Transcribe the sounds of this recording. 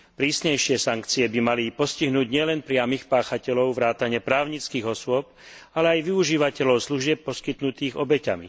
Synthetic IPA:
pɾiːsɲɛjʃɪɛsaŋkt͡siɛbimalipɔsciɦnuːɟɲɪɛlɛnpɾɪamixpaːxacɛlɔʊʋɾaːt̪aɲɪɛpɾaːʊɲit͡skiːɣɔsʊɔp̚ | alɛajʋiuʒiːʋacɛlɔʊsluʒɪɛpːɔskit̪nut̪iːɣɔbɛca̰mḭ

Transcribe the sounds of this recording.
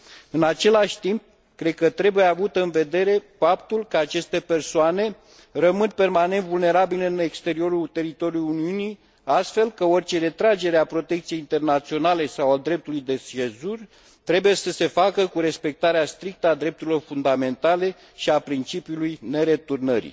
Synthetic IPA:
ɨnat͡ʃe̞laʃʲt̪imp̚ | kɾe̞d̪̚kət̪ɾe̞buje̞avut̪ɨnve̞d̪e̞ɾe̞fapt̪ulkəat͡ʃe̞st̪e̞pe̞rsoane̞ | rəmɨnpe̞rmane̞nt̪vulne̞ɾabileɨnekst̪e̞ɾio̞ɾult̪e̞ɾit̪o̞ɾiuluniuni | ast̪fe̞lkəo̞rʲt͡ʃe̞ɾe̞t̪ɾad͡ʒe̞ɾeapɾo̞t̪e̞kt̪sije̞jint̪e̞rnat̪sio̞nale̞sawad̪ɾe̞p̚t̪ulujd̪e̞sezurʲ | t̪ɾe̞buje̞səse̞fakəkuɾe̞spe̞k̚t̪aɾeast̪ɾik̚t̪əad̪ɾe̞p̚t̪uɾilo̞rfund̪ame̞nt̪ale̞ | ʃiapɾint͡ʃipiulujne̞ɾe̞t̪urnəɾḭ

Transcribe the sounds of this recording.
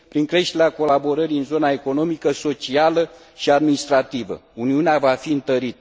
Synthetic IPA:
pɾiŋkɾe̞ʃt̪eɾeako̞labo̞ɾəɾiɨnzo̞nae̞ko̞no̞mikəso̞t͡ʃialə | ʃiad̪minist̪ɾat̪ivə̰uniuneavafiɨnt̪əɾit̪ə

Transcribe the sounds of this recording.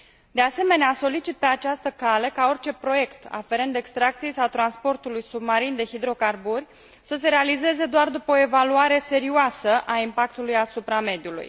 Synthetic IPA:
d̪e̞ase̞me̞neaso̞lit͡ʃit̪̚pe̞at͡ʃast̪əkale̞kao̞rt͡ʃe̞pɾo̞je̞kt̪a̰fe̞ɾend̪e̞kst̪ɾak̚t̪sijejsawt̪ɾanspo̞rt̪ulujsubmaɾind̪e̞hid̪ɾo̞karburʲ | səse̞ɾe̞alize̞ze̞d̪oard̪upəoe̞valuaɾe̞se̞ɾioasəʔaimpak̚t̪ulujasupɾame̞d̪iulṵj

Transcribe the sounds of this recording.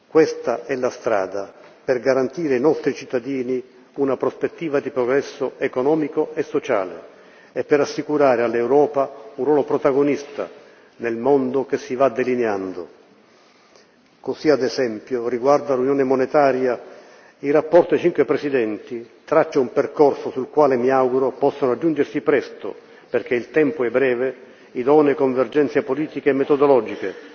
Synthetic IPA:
kwɛst̪aɛlast̪ɾa̰ːd̪aperɡaɾant̪iːɾeainɔst̪ɾit͡ʃit̪ːad̪iːni | unapɾospet̪ːiːvad̪ipɾoɡɾɛsːoekonɔːmikoesːot͡ʃa̰ːlḛ | epːeɾasːikuɾaːɾealːewɾɔːpaunrwɔːlopɾot̪aɡonist̪a̰ | nelmond̪ok̟esːivad̪ːelineand̪o | kosiad̪ɛsɛmpjoriɡward̪alunjɔːnɪmonet̪aːɾja | irapːɔrt̪at͡ʃiŋkwepɾɛsid̪ɛnt̪it̪ɾat͡ʃːaumperkɔrsosulkwaːlɪmiawɡuɾopɔsːonoad͡ʒːund͡ʒersipɾɛst̪o̰ | perk̟eilt̪ɛmpʊɛbːɾɛːve | id̪ɔːnekoɱverd͡ʒɛnt̪sjepoliːt̪ikeɛmːet̪ɔd̪ɔlɔːd͡ʒike

